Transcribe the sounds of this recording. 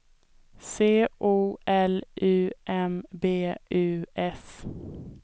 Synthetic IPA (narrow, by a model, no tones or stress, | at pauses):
seːʔuːɛlʔʉːʔɛmbeːʉːʔɛs